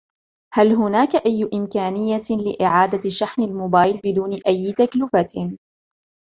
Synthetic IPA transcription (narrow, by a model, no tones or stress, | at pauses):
halɦʊnaːkaʔajːʊʔɪmkaːnɪjːalɪʔɪʕaːd̪aʃːaħnalmoːbaːjlbɪd̪uːnɪʔajːt̪aklʊfa